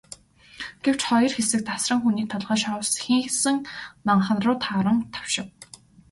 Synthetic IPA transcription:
ɡ̥ew̥t͡ɕχɔjɞ̆rxesɘ̆k̚t̪ʰasrə̆ŋxuniːk̚t̪ʰaɮʁaːʃɔwsxiŋxsɘ̆ŋnaɴχə̆nrʊːt̪ʰaɾə̆ŋt̪ʰḁwʃɪ̆w

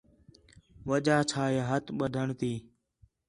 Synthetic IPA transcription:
ʋəʄaːt͡ʃʰaːeːɦət̪ʰɓəd̪ʱəɳt̪iː

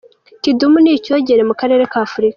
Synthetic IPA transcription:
kidumuniːco̞ːɟe̞ɾe̞mukaɾe̞ːɾe̞kaːfuɾikḁ

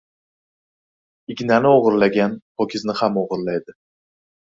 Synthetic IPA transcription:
ɪɡʲnanɪɒʁɨɾlaɡʲanpʰɒkʰʲɪznɪhamɒʁɨɾlajd̪ɪ

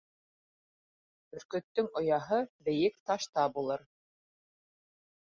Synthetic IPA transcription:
ɵ̆ɾkɵ̆t̪ːɵŋŏjɑɦɤbɘ̆jɘk̚t̪ɑʃt̪ɑbulˠɤɾ

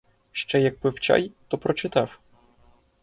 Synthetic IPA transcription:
ʃt͡ʃɛjɐk̚pɪwt͡ʃa̰jt̪ɔpɾɔt͡ʃɪt̪ɑw

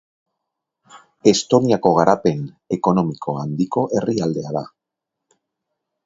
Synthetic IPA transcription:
e̞st̪o̞niako̞ɣ̞aɾʔape̞n | e̞ko̞no̞miko̞and̪iko̞ʔe̞riald̪e̞aða̰

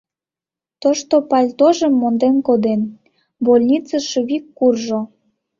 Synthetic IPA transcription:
t̪oʃt̪opɑlʲt̪oʒəmːond̪enkod̪en | bolʲnʲit͡səʃuβikːurʒo

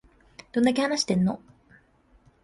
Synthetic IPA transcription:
d̪̥o̞nd̪akʲe̞hanaɕi̥t̪e̞nːo̰

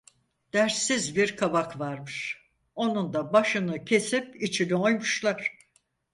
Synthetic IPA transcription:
d̪̥æɾsizbiɾkʰabakvaɾmɯʃ | o̞nund̪abaʃɯnɯcʰe̞sip̚it͡ʃʰinio̞jmuʃlˠaɾ̥

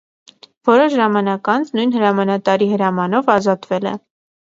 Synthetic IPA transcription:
vɔɾɔʃʒɑmɑnɑkɑnt͡sʰnujnhəɾɑmɑnɑt̪ɑɾihəɾɑmɑnɔvɑzɑt̪vɛlɛ̰

